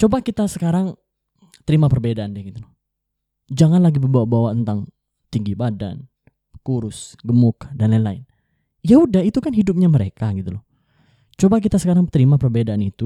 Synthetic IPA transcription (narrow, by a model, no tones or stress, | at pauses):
t͡ʃobakit̪asəkaɾaŋ | t̪əɾimapərbedaandɛɡit̪ulɔh | d͡ʒaŋanlaɡibəbawabawat̪ənt̪aŋ | t̪iŋɡibada̰n | kuɾʊsɡəmʊkdanlalaɪn | jaudahit̪ukanɦidup̚ɲaməɾekaɡit̪ulɔh | t͡ʃobak̬it̪asəkaɾaŋt̪əɾimapərbedaːnit̪u